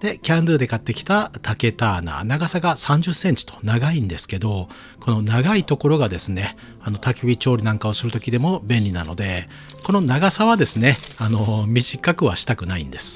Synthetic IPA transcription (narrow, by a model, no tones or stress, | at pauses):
d̪̥e̞kʲãnd̪ɯd̪e̞kat̪ːe̞kʲi̥t̪at̪ake̞t̪aːna̰ːnaɡasaɡasãɲ̟d͡ʑɨsːẽ̞ɲ̟t͡ɕi̥t̪o̥naɡaĩnd̪e̞sɨ̥ke̞d̪o̞ | ko̞no̞naɡait̪o̞ko̞ɾo̞ɡad̪e̞sɨne̞ | ano̞t̪akʲibʲit͡ɕo̞ːɾʲinãŋkao̞sɨɾɯt̪o̞kʲid̪e̞mo̞bẽ̞nʲɾʲina̰no̞̰d̪e̞ | ko̞no̞naɡasaβad̪e̞sɨne̞ano̞mʲiʑikakɯ̟βaɕi̥t̪akɯ̟naḭ̃nd̪e̞sɨ̥